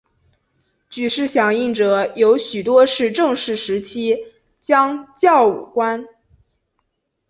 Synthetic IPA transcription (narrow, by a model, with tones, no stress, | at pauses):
t͡ɕy˨˩ʂɻ̩˥˩ɕjɑ˨˩ŋi˥˩ŋʈ͡ʂɤ˨˩˦jo˧˥ʊɕy˨˩t̪wɔ˥ʂɻ̩˥˧ʈ͡ʂɤ˥˧ŋʂɻ̩˥˩ʂɻ̩˧˥t͡ɕʰi˥ | t͡ɕjɑ˥ŋt͡ɕjɑ˥˩ʊṵ˨˩kwa˥n